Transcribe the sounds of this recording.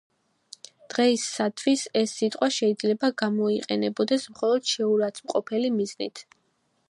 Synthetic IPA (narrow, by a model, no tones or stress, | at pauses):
d̪̥ʁɛisːat̪ʰwisɛsːit̪ʼqʼwaʃɛid̪zlɛbaɡamɔiqʼɛnɛbɔd̪ɛsmχɔlˠɔd̪̥ʃɛuɾat̪sʰmqʼɔpʰɛlimiznḭt̪ʰ